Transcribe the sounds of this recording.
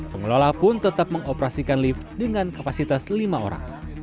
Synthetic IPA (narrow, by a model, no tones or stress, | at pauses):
pəŋəlolapʊnt̪ət̪ap̚məŋopɾasikanlifdəŋankapasit̪aslimao̰ɾa̰ŋ